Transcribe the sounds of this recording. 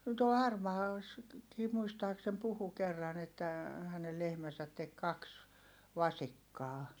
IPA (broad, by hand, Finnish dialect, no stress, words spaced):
tuol hɑrmɑːlɑsːɑkiː muistɑːksem puhu kerːɑn etːæ hænel lehmæsæt tek kɑks ʋɑsikːɑː